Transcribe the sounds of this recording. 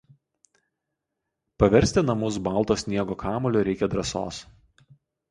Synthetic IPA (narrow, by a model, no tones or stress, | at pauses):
pɐʋʲɛɾʲsʲt̪ʲɪnɐmʊsbɐˑlˠˑt̪oːsʲnʲiɛɡoːkɑːmɔlʲoːɾʲɛɪkʲɛd̪ɾɐso̰ːs